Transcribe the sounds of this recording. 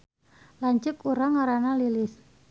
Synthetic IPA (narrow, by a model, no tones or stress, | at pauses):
laɲt͡ʃʊkuɾaŋaɾanalilɪs